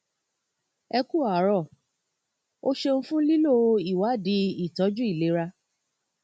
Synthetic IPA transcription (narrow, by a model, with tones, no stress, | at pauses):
ɛ˧ku˦˨a˨˦ɾɔ˦˨ | o˦ʃe˧n̩˦fũ˦li˦lo˦˧i˦˨wa˨˦˨di˨˦i˦˨tɔ˨˦d͡ʒu˦i˦˨le˨˦ɾa˧